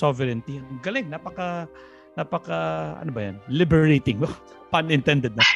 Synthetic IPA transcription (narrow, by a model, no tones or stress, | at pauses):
sovɛɾɛnt̪ɪjanɡɐlɪŋnapɐkɐ | napɐkaʔɐ̰nobɐjanlɪbɛɹejt̪ɪŋo | panɪnt̪ɛnd̪ɛd̪̚nɐ